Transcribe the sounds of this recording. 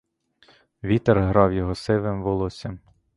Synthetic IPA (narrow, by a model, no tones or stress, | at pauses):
ʋʲit̪eɾɦɾɑwjɔɦɔsɪʋɪmʋɔlˠɔsʲɐm